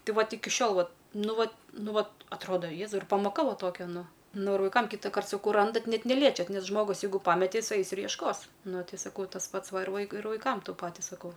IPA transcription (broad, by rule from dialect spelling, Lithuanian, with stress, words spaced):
ˈtɐɪ ˈʋɐt ˈɪkʲɪ ˈʃʲoːlˠ ˈʋɐt ˈnʊ ˈʋɐt ˈnʊ ˈʋɐ ɐtˈroːdɐ ˈjeːzɐʊ ɪr pɐmoːˈkɐ ˈʋɐ ˈtoːkʲɛ ˈnʊ ˈnʊ ɪr ʋɐɪˈkɐm kʲiːtɐˈkɐrt sɐˈkɐʊ ˈrɐndɐt ˈnʲɛt nʲɛˈlʲiɛt͡ʃʲɛt ˈnʲɛs ˈʒmoːɡʊs ˈjɛɪɡʊ ˈpɑːmʲɛtʲɛ ˈjɪs ˈɐɪs ɪr jiɛʃˈkoːs ˈnʊ sɐˈkɐʊ tɐs ˈpɐts ˈʋɐ ɪr ˈʋɐɪkʊɪ ɪr ʋɐɪˈkɐm ˈtʊ ˈpɑːtʲɪ sɐˈkɐʊ